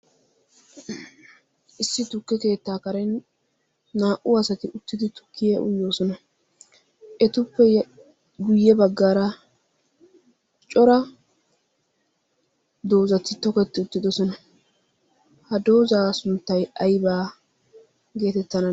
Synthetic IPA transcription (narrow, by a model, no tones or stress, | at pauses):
ʔɪsːɪt̪ʊkːɛke̞ːt̪ːaːkɐɾɛnː | aːʔʊɐsɐt̪ɪʔʊt̪ːɪd̪ɪt̪ʊ̥kːɪjɛʔʊ̰jːo̞ːsɔnɐ | ʔɛt̪ʊpːɛ | ɡʊjːɛbɐɡːaːɾɐ | t͡ʃʼɔɾɐ | d̪o̞ːzɐt̪ːɪt̪ɔkɛt̪ːɪʊt̪ːɪd̪ɔsɔnɐ | hɐd̪o̞ːzaːsʊnt̪ːɐjɐjbaː | ɡe̞ːt̪ɛt̪ːɐnɐ